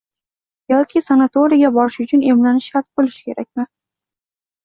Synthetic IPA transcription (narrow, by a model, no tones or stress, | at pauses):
jɒt̪̚kʰʲisanat̪oɾijɡʲabɒɾɪʃʊt͡ʃʰʊne̞mlanɪʃaɾt̪̚bolˠɪʃɪ̥kʲʰe̞ɾak̚ʲmɪ